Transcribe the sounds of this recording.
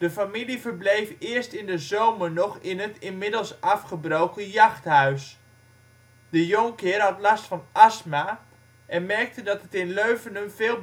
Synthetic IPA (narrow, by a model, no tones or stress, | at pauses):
d̥əfamilivərblejfɪːɹstɪndəzowmərnɔχɪnɦətɪnmɪdəlˠsɑfχəbrowkəjɑχtɦœɥs | d̥əjoŋkɪːrɦɑtlɑstfɑnʔasma | ʔɛnmɛrk̚tədɑtətɪnløɥvənəmvɪːlˠ